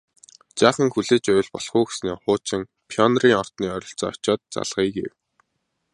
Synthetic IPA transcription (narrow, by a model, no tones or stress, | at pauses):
t͡ɕaːχə̆ŋxuɮeːt͡ɕʊjɮpɔɮχʊːxe̥sniːχʊːt͡ɕɪ̆ŋ | pʰiɔnriːŋɔr̥t̪niːœɾʲɞ̆ɬt͡sɔ̰ːt͡ɕɔːt̪̚t͡sa̰ɮʁ̥iːɡḛw